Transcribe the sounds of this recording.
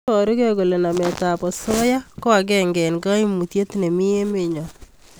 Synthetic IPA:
ɔ˨ɾu˦ke˦ɡo˨le˨na˨mɛ˨ta˨pɔ˨sɔ˦ja˦kɔ˦a˨ɡɛ˦ŋɡɛ˨nɡa˦i˦mu˨tje˦t̪ne˨mɪ˦je˦mɪ˦˨ɲɔ˨

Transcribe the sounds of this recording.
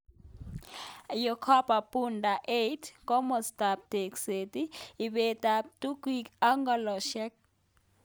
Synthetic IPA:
jɔ˨kʰa˦pa˨pʼu˦nda˨ʔe˦tʰkɔ˦mɔ˨sta˨p̚te˨kse˨ti˦i˨βe˨ta˨tu˦kwika˦ŋɡɔ˨lɔ˨ʃɛ˦k̚

